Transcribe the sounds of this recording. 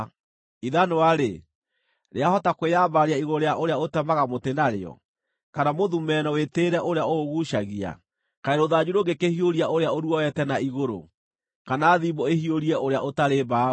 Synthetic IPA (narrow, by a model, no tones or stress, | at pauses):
iðanowaɾe | ɾeahɔtakweabaɾeaiɣoɾoɾejaʔoɾeaotɛmaɣamotenaɾḛɔ̰ | kanamoðumɛnɔweteːɾɛʔoɾeaoɣuʃaɣia̰ | kaeɾoðad͡ʑuɾoɡekehioɾiaʔoɾeaoɾuɔɛtɛnaiɣoɾo̰ | kanaːðibɔehioɾiɛoɾeaʔotaɾeba